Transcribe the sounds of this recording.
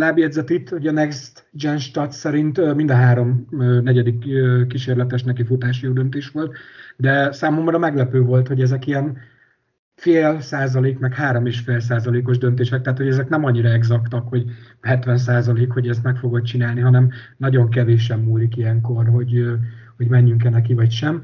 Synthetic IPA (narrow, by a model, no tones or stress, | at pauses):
laːbjɛd̪zɛt̪it̪ːho̞ɟɒnɛkst̪ | d͡ʒɛnʃt̪ɒt̪sɛɾint̪mind̪ɒɦaːɾo̞mːnɛɟɛd̪ikːkːiʃeːrlɛt̪ɛʃnɛkifut̪aːʃjoːd̪ønt̪eːʃʋo̞lt̪d̪ɛsaːmo̞mrɒmɛɡlɛpøːvo̞lt̪ho̞ɟɛzɛkiɛn | feːlsaːzɒleːkmɛkhaːɾo̞meːʃfeːls̬aːzɒleːko̞ʒd̪ønt̪eːʃɛk̚t̪ɛaːt̪ho̞ɟɛzɛknɛmɒɲːiɾɒɛɡzɒkt̪ɒkho̞ɟhɛt̪ʋɛns̬aːzɒleːkho̞ɟɛst̪mɛkfo̞ɡo̞t̪t͡ʃinaːlniɦɒnɛm | nɒɟo̞ŋkɛveːʃɛmːuːlikijɛŋko̞rɦo̞ɟho̞ɟmɛɲːyŋkɛnɛkivɒcʃɛm